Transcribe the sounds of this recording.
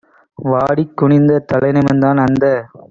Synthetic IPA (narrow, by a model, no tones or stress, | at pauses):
ʋaːɽikːʊɳɪnd̪ɐt̪ɐlɐɪnɪmɐnd̪aːnɐnd̪ɐ